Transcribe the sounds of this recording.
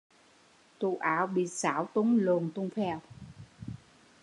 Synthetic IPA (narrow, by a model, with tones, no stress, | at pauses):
t̪u˧˨˩ʔaː˧˩˦wɓḭ˧˨saː˧˩˦wt̪u˨˦ŋlu˨˩nt̪u˧ŋ͡mfɛ˧w